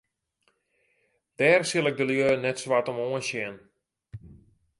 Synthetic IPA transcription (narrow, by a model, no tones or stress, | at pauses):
d̥ɛːrsɪlˠɪk̚dəljøːnɛtsʋatɔmoənsjɪən